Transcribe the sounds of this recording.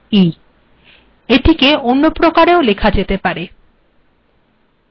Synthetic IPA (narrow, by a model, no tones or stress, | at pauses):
i | eʈʰikeonːopɾokaɾeolekʰad͡ʑet̪epaɾe